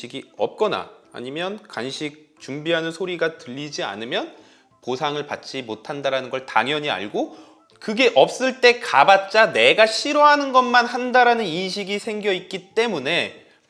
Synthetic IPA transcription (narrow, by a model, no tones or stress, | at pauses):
iɡiʌ̰p̚k͈ʌna̰ːɲimjʌnkwanɕʰik̚t͡ɕumbiɦanɯnsʰoɾiɡatɯʎːid͡ʑia̰nɯmjʌn | posʰaŋɯɭpat͡ɕ͈imotʰandaɾanɯnɡʌɭtaŋjʌɲia̰ɭɡo | kɯɡe̞ʔʌp̚s͈ɯɭt͈e̞kabat̚t͡ɕ͈ane̞ɡaɕʰiɾoɦanɯnɡʌnmanhandaɾanɯninɕʰiɡisʰe̞ŋɡjʌit̚k͈it͈e̞mune̞